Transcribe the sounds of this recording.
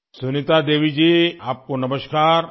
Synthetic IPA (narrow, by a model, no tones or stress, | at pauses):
sunit̪ad̪eːʋid͡ʒiːaːp̚konɐməʃkaːɾ